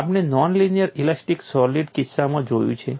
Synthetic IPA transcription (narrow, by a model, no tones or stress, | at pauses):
apɳenɔnlinijəɾilasʈiksɔliɖkisːamãd͡ʒojṵ̃t͡ʃʰe